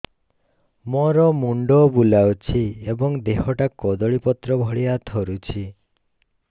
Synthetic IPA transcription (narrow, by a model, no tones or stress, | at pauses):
mɔɾɔmuɳɖɔbulawt͡ʃʰiebɔŋd̪eɦɔʈakɔd̪ɔɭipɔt̪ɾɔbʱɔɭiat̪ʰɔɾut͡ʃʰi